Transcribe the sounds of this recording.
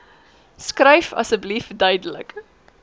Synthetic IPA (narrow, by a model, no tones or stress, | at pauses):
skrɛjfɐ̰səblifdœɥdələ̰k